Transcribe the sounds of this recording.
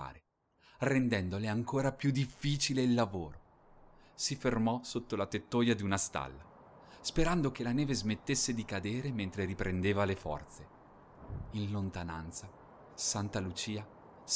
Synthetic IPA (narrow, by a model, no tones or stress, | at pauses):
a̰ːɾe | rend̪ɛnd̪oleaŋkoːɾapjud̪ifːiːt͡ʃileilːavoːɾo | sifermɔsot̪ːolat̪et̪ːojad̪iunast̪a̰lːa | speɾand̪ok̟elanɛːvezmet̪ːesːed̪ikad̪eːɾement̪ɾeɾipɾʔend̪eːvalefɔ̰rt̪se | inlont̪anant̪sa | sant̪alut͡ʃiːa